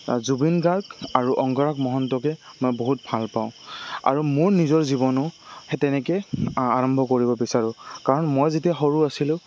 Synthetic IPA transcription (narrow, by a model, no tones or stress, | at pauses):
zubinɡaɡaɹuʔɔŋɡɔɹakmɔɦɔntɔkɛmojboɦut̚bʱalpaʊ̃a̰ɹumʊɹnizɔɹzibɔnʊhɛtɛnɛkeaɹɔmbʱɔkoɹibɔbisaɹʊ̃kaɹɔnmojzitaxoɹuasilʊ̃